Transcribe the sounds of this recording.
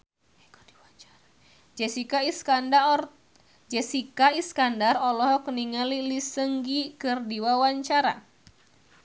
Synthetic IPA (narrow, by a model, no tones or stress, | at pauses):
d͡ʒɛsikaiskanda | d͡ʒɛsikaiskandarɔlɔɦɔkəniŋalilisəŋɡikərdiwawaɲt͡ʃaɾa